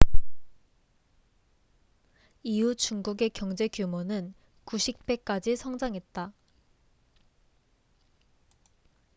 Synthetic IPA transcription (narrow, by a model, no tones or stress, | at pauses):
iut͡ɕuŋɡuɡe̞kjʌŋd͡ʑe̞kjumonɯn | kuɕʰik̚p͈e̞k͈ad͡ʑisʰʌŋd͡ʑaŋɦe̞t̚t͈a